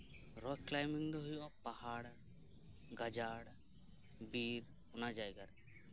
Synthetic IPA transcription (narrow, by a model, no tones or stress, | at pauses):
ɾɔklajmiŋd̪ɔɦujɔpahaɽ | ɡad͡ʒaɽ | biɾ | ɔnad͡ʒajɡaɾ